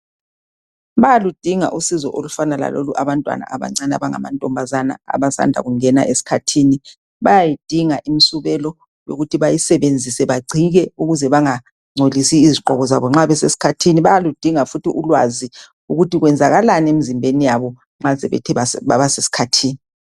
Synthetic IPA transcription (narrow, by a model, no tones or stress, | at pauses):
βajalud̥ʱiŋa̰ʔusizɔʔolufanala̰lo̰luʔaβantʼwa̰na̰ʔaβa̰ŋ͡ǀana̰βaŋa̰ma̰ntʼɔmbʱazana̰a̰βasa̰ndʱa̰ɣuŋɛna̰ʔesi̥kʰatʰiːni | βajajid̥ʱiŋaʔim̩suβɛlɔ | jo̰ɣutʰiβajisɛβend͡zʱisɛβaɡ͡ǀʱiɣɛuɣuzɛβaŋa | ŋ͡ǀʱolisiːziǃʱɔɣɔza̰βɔŋ͡ǁaβɛsesi̥kʰatʰiniβajalud̥ʱiŋafutʰiʔulwa̰zi | uɣutiɣwɛnd͡zʱaɣalanemizimbʱenijaβɔ | ŋ͡ǁasɛβɛ̰tʰɛβaβaβasesi̥kʰatʰiːni